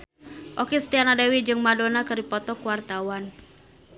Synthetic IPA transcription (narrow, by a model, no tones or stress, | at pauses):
ʔokist̪ianadewid͡ʒɨŋmadonakɨripɔt̪ɔkuwart̪awan